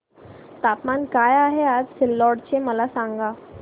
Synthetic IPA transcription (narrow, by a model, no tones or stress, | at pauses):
t̪apmankajaɦead͡zsɪlːɔɽt͡ɕeməlasãŋɡa